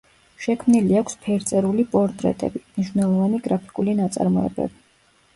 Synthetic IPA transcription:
ʃɛkʰmniliakʷʰspʰɛɾt̪sʼɛɾulipʼɔɾt̪ʼɾɛ̰t̪ʼɛ̰bimniʃwnɛlˠɔvaniɡɾapʰi̥kʼulinat̪sʼa̰ɾmɔɛ̰bɛ̰bi

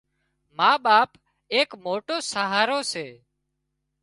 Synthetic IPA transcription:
maːɓaːp | eːkmoːʈoːsaɦaːɾoːseː

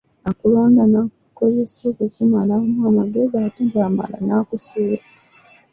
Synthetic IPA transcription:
akulo̞ːndanakuko̞ze̞sokucimalamuamaɡeɡatiɡaːma̰la̰naːkusuːɾa

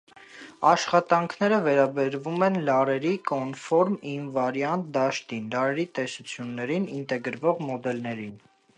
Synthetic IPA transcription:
ɑʃχɑt̪ɑŋkʰnɛɾəvɛɾɑbɛɾvumɛnlɑɾɛɾikɔnfɔɾminvɑɾjɑnd̪ɑʃt̪inlɑɾɛɾit̪ɛsut͡sʰjunːɛɾinint̪ɛɡəɾvɔʁmɔd̪ɛlnɛɾin

